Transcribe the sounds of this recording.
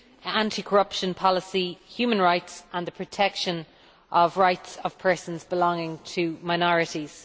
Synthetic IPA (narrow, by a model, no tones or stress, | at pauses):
ãntʰikʰəɹʌpʃə̃npʰɒlɪsihjʉːmə̃nɹaɪtsə̃nðəpʰɹ̥ətʰɛkʃə̃n | ʔəvɹaɪtsəv̥pʰɜ˞sə̃nzbɪlɔ̃ŋɪ̃ŋtʰəmaɪnɔɹɪɾiz̥